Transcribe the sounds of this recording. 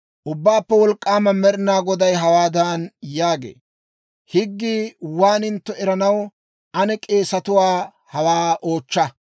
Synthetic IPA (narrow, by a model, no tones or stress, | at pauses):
ʔʊbːaːpːɛwɔlkʼːaːmɐmɛɾnaːɡɔd̪ɐjɦɐwaːd̪aːnjaːɡḛː | hɪɡːiːwaːnɪnt̪ːɔɛɾɐnɐw | ɐnɛkʼe̞ːsɐt̪ʊwaː | hɐwaːʔo̞ːt͡ʃːɐ